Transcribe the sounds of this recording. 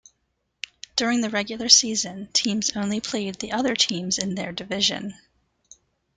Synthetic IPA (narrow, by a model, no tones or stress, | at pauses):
d̥ʊɹɪ̃ŋðɨɹɛɡjl̩ˠə˞sizɨ̃ntʰĩmzõʊ̃nlipʰl̥eɪd̪̚ðiʔʌðə˞tʰĩmzɨ̃nðə˞dɨvɪʒɨ̰̃n